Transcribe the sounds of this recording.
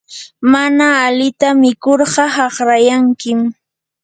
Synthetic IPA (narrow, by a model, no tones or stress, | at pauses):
manaːlɪt̪amɪkoɾɢɑhɑχɾajaŋkɪm